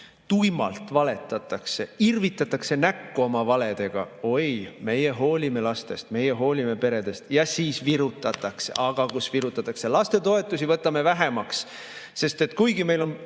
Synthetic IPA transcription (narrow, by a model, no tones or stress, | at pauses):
t̪ujmɑ̰lt̪ˑvɑle̞t̪ːˑɑt̪ːˑɑkse̞irvit̪ːˑɑt̪ːˑɑkse̞nækːuo̞mɑvɑle̞d̪̥e̞ɡ̥ɑ̰o̞jme̞je̞ɦo̞ːlʲime̞lɑst̪e̞st̪me̞jeɦo̞ːlʲime̞pe̞ɾe̞d̪̥e̞st̪jɑsiːsviɾut̪ːˑɑt̪ːˑɑksḛʔɑɡ̥ɑkusviɾut̪ːˑɑt̪ːˑɑkse̞lɑst̪e̞t̪o̞e̞t̪ːˑusivɤt̪ːˑɑme̞væɦe̞mɑks | se̞st̪e̞t̪kujɡime̞jlo̞n